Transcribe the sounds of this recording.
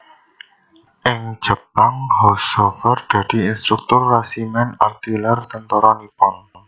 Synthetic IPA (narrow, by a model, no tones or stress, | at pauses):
ʔɪŋ̥d͡ʒ̥ə̤paŋhɔsɔfɛrd̪̥a̤d̪̥i̤inst̪ɾuk̚t̪ʊrːasimɛna̰rt̪ilɛrt̪ənt̪ɔɾɔnipɔn